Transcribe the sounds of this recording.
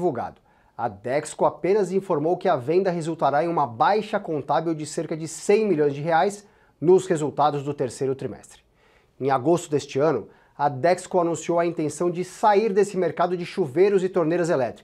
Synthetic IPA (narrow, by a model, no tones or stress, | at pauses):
vuɡa̰d̪ʊ | ɐ̰d̪ɛkskoapẽnɐzĩfoɾmowkɪɐvẽnd̪ɐɦezuwt̪aɾaẽj̃ũmɐbajʃɐkõnt̪avewd͡ʒɪseɾkɐd͡ʒɪsẽj̃milʎõj̃zd͡ʒɪɦeajs | nʊshezuwt̪ad̪ʊzd̪ʊt̪eɾsejɾʊt̪ɾimɛ̰st̪ɾɪ̥ | ẽj̃aɡost̪ʊd̪est͡ʃɪɐ̃nʊ | ɐd̪ɛkskoanũsiowɐĩnt̪ẽsɐ̃w̃d͡ʒɪsaiɾd̪esɪmeɾkad̪ʊd͡ʒɪʃuvejɾʊzɪt̪oɾnejɾɐzelɛt̪ɾik